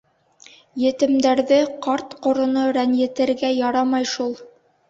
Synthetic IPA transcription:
jɘ̆t̪ɘ̆md̪æɾðɘqɑɾt̪qŏɾŏnoɾænjɘ̆t̪ɘ̆ɾɡæjɑɾɑmɑjʃulˠ

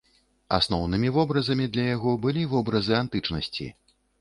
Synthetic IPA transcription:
a̰snɔwnɨmʲivɔbɾɐzɐmʲid̪lʲɐjaɣɔbɨlʲivɔbɾɐzɨant̪ɨt͡ʂnɐsʲt͡sʲḭ

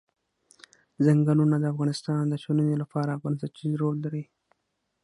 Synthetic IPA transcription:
zaŋɡalunad̪əafɣɑnɪst̪ɑnd̪əʃonənelapɑɾaːfɣɑnsat͡ʃiɾolːaɾi

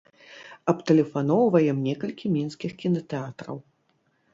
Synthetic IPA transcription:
ɐpt̪ɛlʲɛfan̪ɔwvɐjɛmnʲɛkɐlʲkʲimʲinskʲixkʲinɐt̪ɛat̪ɾɐ̰w

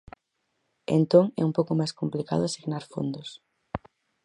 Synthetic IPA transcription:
ḛnt̪oŋɛ̰umpowkomajskomplika̰ðʊasiɣnaɾfo̰nd̪os

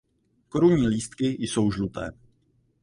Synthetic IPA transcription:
ko̞ɾuɲiːliːst̪kɪjso̞wʒlut̪ɛ̰ː

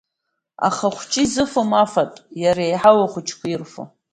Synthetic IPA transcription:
a̰χaχʷt͡ʃʼizɨfomafatʼjaɾeejħawaχʷʊt͡ʃʰkʷʰairfo̰

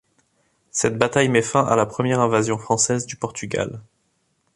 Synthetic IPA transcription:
sɛt̪̚bat̪ajmɛfɛ̃ʔa̰lapχəmjɛʁɛ̃vazjɔ̃fχɑ̃sɛzd̪ypɔʁt̪yɡa̰l

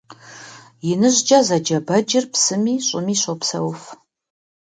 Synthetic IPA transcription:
jɪnɨʑd͡ʒazɐd͡ʒɐbɐd͡ʒɪrpsɨmiːɕʼʊmiːɕʼopsɐ̰wf

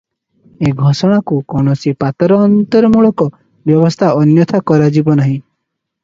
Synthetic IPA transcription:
eɡʱɔsɔɽ̃akukɔɽ̃ɔsipat̪ɔɾɔːnt̪ɔɾɔmuɭɔkɔ | bjɔβɔst̪ʰaɔnjɔt̪ʰakɔɾad͡ʒibɔnaɦĩ

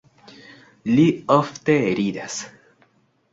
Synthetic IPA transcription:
lioft̪eːɾiðas

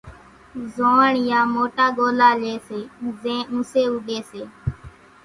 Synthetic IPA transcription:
zoːɳjãːmoːʈaːɠoːlaːleːseːzẽːũseːʊɗeːseː

